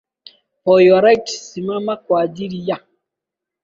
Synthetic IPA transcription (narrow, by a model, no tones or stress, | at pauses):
pɔjɔɾajtsimamakwad͡ʒiɾija